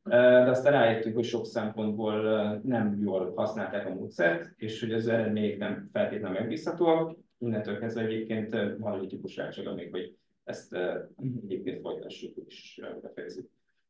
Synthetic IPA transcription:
ød̪ɛɒst̪aːnɛːjeːt̪ːyŋkho̞cʃo̞ksɛmpo̞nd̪boːlnɛmjoːllhɒsnaːlt̪aːkɒmoːt̪sɛrt̪eːʃho̞ɟɒzɛɾɛd̪meːɲɛknɛmfɛlt̪eːt̪ɛlɛmɛɡ̚biːshɒt̪oːɒk | inːɛnt̪ølkɛzvɛɛɟeːp̚keːnt̪mɒnud̪it̪ipuʃʋa̰ːlʃaːɡɒ̰meːkho̞ɟ | ɛst̪ːɛɟeːp̚keːnt̪fo̞̰jt̪ɒʃːukeːʃo̰jd̪ɒfɛjɛ̰zyk̚

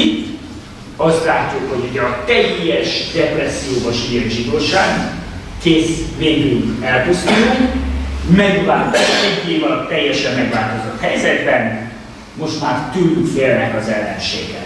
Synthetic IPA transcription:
it̪ː | ɒst̪laːcːukho̞ɟoɟɒt̪ɛjːɛʃd̪ɛprɛsːijoːvɒʃijɛnʒid̪oːʃaːɡ | keːsveːd̪yyŋkɛlkyzd̪ylkmɛɡulaːp̪ɛɾɛɲk̪ːevɒt̪ɛjːɛʃɛmːɛɡʋaːlt̪o̞zo̞t̪hɛjzɛd̪bɛn | mo̞ʃt̪maːrt̪ylːykfeːlnɛkɒzɛlːɛ̰nʃḛːɡɛ̰

